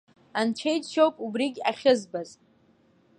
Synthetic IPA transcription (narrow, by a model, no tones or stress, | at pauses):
ant͡ʃʷʰejtʃowpʼubriɡʲaχʲɪzbaz